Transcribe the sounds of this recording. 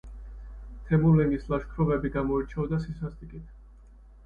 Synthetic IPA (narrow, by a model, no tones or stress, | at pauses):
t̪ʰɛmulɛnislaʃkʰɾɔbɛbiɡamɔiɾt͡ʃʰɛɔd̪asisast̪ʼikʼit̪ʰ